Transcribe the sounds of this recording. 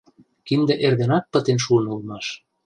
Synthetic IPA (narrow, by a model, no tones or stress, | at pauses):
kind̪ĕʔerd̪enɑk̪̚pə̆t̪enʃuənulmɑʃ